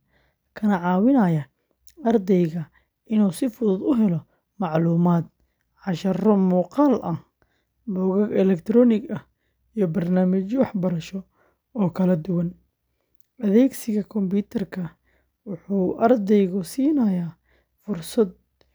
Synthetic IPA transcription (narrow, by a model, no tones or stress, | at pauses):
kʰɐnɐʕɑːwɪnɐjɐ | ɐrd̪ɛjɣɐ | ʔɪnuːsɪfʊðʊd̪ʊɦɛlɔ | mɑʕluːmaːd̪ | ʕɑʃɐrɔmuːqɑːlʔɐh | bɔːɣɐɡɛlɛkt̪ʰɾɔːnɪɡɐ | ijɞbɐrnaːmɐt͡ʃwɑħbɐɾɐʃɔ | ɔːkʰɐlɐd̪ʊwɐn | ʔɐðɛːɡsɪɣɐkʰɔmbuːt̪ʰɐrkʰɐ | wʊħuːʔɐrd̪ɛjɣʊsiːnɐjaː | fʊrsɐd̪̚